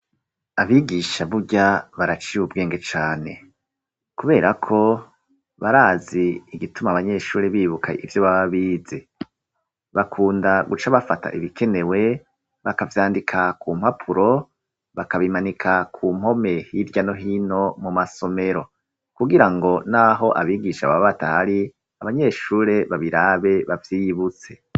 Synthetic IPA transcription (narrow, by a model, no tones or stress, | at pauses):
aβiɡiʃaβuɟaβaɾat͡ʃiwubɡe̞ːŋɡe̞t͡ʃaːne̞̰ | kuβe̞ːɾakʰo̞ | βaɾaːziːɡitumaβaɲe̞ʃuːɾiβiːβukʰa̰ḭvjo̞βaβaβiːze̞ | βakʰuːndaɡut͡ʃaβafata̰ʔiβikʰe̞ne̞we̞ | βakavjaːndikʰakʰuːm̥hapʰuɾo̞ | βakaβimanikʰakʰuːm̥ho̞me̞hiɾɟano̞ɦino̞mumaso̞me̞ɾo̞ | kuɡiɾaŋɡo̞naɦo̞ʔaβiːɡiʃaβaβatahaɾi | aβaɲe̞ʃuːɾe̞βaβiɾaːβe̞βavjiːjiβut͡se̞